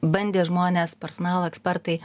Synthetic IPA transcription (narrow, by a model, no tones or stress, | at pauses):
bɐnʲd̪ʲeːʒmoːnʲeːspʲɛɾsonɑːlˠoːɛksʲpʲɛɾt̪ɐɪ